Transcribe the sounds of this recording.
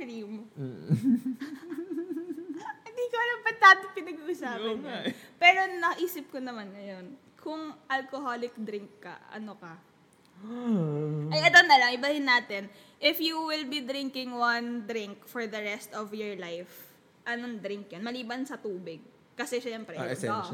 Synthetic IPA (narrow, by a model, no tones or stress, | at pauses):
kɾim | hɪnd̪ikoɐlɐmpɐt̪aːd̪ɪpɪnɐɡuːʔʊsaːɐnpɛːɾo̞nɐʔiːsɪp̚konɐmanŋɐjon | kʰʊŋʔɐlkoɦolɪk̚d̪ɾɪŋkːɐ̰ʔɐ̰nokɐ | ʔɐjʔɛt̪onɐlɐŋʔɪbɐhɪnːaːt̪ɛnʔɪfjuwɪlbid̪ɾiŋkɪŋwɐnd̪ɾɪŋkfɔɹd̪ɐɹɛst̪ɔvjɔɹlajf | ʔɐnoŋd̪ɾɪŋkjonmɐliːbɐnsɐt̪uːbɪɡ̚ | kɐsɛʃaɛmpɾɛ̰ɛso